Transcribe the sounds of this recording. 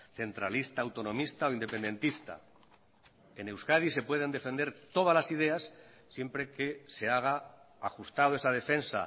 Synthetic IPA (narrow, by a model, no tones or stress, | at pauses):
θe̞nt̪ɾalist̪aːwt̪o̞nõ̞mist̪ao̞ind̪e̞pe̞nd̪e̞nt̪ist̪a̰ | e̞ne̞wskaðise̞pwe̞ð̞e̞nd̪e̞fe̞nd̪eɾt̪o̞ð̞azlasið̞e̞asː | je̞mpɾe̞ke̞se̞aɣ̞a | axust̪aðoe̞saðe̞fe̞nsa̰